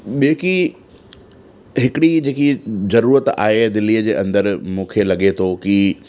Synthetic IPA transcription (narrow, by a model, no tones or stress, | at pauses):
ɓeːki | ɦɪkɪɽid͡ʑeːkizɐɾuːɾət̪a̰ːɦed̪ɪlːiːəd͡ʑeːʔɐ̰̃nd̪əɾmũːkʰelɐɠet̪ʰoːki